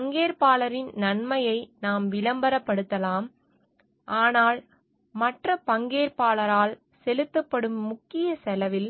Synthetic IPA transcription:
pɐŋɡeːɾpaːlɐɾɪnnɐnmɐjɐɪnaːmʋɪlɐmbɐɾɐpːɐɽɯt̪ːɐlaːm | ʔaːnaːl | mɐʈrɐpɐŋɡeːɾpaːlɐɾaːl | sɛlɯt̪ːɐpːɐɽɯmːʊkːɪjɐsɛlɐʋɪl

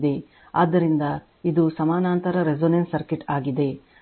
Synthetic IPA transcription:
d̪e̞ | aːd̪ːɐɾind̪ɐ | id̪usɐmaːnaːnt̪ɐɾɐɾed͡ʒonensɐɾkiʈaːɡid̪e̞

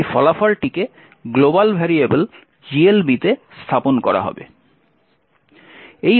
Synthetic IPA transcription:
fɔlafalʈike | ɡlobalbʱɛɾiebel | d͡ʑielbit̪est̪ʰaponkɔɾa̰ɦɔ̰bḛ | ej

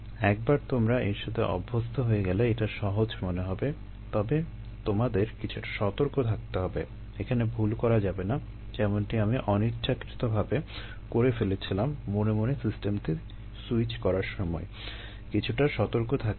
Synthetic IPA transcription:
ɛk̚baɾt̪omɾaeɾʃod̪ʱeʔɔ̰bʱːost̪ʰoɦoeɡɛleeʈaʃɔɦod͡ʑmoneɦɔbe | t̪ɔbe | t̪omad̪eɾkit͡ɕʰuʈḁʃɔt̪oɾkot̪ʰak̚t̪eɦɔbḛ | ekʰanebʱulkɔɾad͡ʑabena | d͡ʑɛmonʈiamiʔɔnit̪ːd͡ʑakɾit̪obʱabe | koɾefelet͡ɕʰilamːonemonesisʈemʈ̪i | suit͡ɕkɔɾaɾʃɔmɔe | kit͡ɕʰuʈaʃɔt̪oɾkot̪ʰak

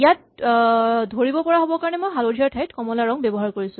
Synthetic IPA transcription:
jat̚ | dʱoɹibɔpɔɹaɦobɔkaɹɔnɛmojɦalodʱiaɹtʰajtkɔmɔlaɹɔŋbebɔɦaɹkoɹisʊ̃

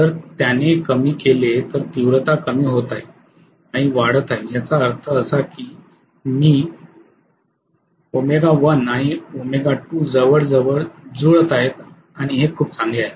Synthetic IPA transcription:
t̪əɾt̪janekəmiːkelet̪əɾt̪iʋɾət̪akəmiːɦot̪aje | aɽ̃iʋaɽ̤ət̪aejat͡saəɾt̪ʰəːsakiː | miː | omeɡaʋənaɽ̃iomeɡaʈuːd͡zəʋəɽd͡zəʋəɭd͡zuɭət̪aɦet̪ | aɽ̃iɦekʰuːp̚t͡sãŋɡeaɦet̪

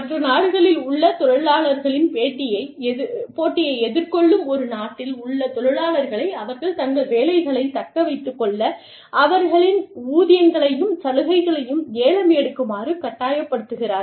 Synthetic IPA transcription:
mɐtrɐnaːɽɯɣɐɭɪlʊɭːɐt̪ɔɽɐɭaːɭɐɾɣɐɭɪnpeːʈːɪjɐɪpoːʈːɪjɐɪɛðɪɾkɔɭːɯmɔɾɯnaːʈːɪlʊɭːɐt̪ɔɽɐɻaːɭɐɾɣɐɭɐɪɐʋɐɾɣɐɭt̪ɐŋɡɐɭʋeːlɐɪɣɐɭɐɪt̪ɐkːɐʋɐɪt̪ːɯkːɔɭːɐ | ʔɐʋɐɾɣɐɭɪnuːðɪjɐŋɡɐɭɐjɯmsɐlɯɣɐɪɣɐɭɐjɯmeːɻɐmjɛɽɯkːɯmaːrɯkɐʈːaːjɐpːɐɽɯt̪ːɯɣɪraːɾ

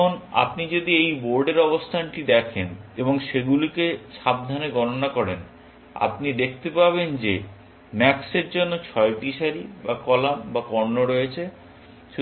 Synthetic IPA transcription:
ona̰pnid͡ʑod̪iejboɾɖeɾɔbost̪ʰanʈid̪ɛkʰeneboŋʃeɡulikeʃab̚d̪ʱaneɡɔnonakɔɾen | a̰pnid̪ekʰt̪epabend͡ʑe | mɛkseɾd͡ʑonːot͡ɕʰɔeʈiʃaɾibakɔlambakɔɾnoɾojet͡ɕʰe | ʃu

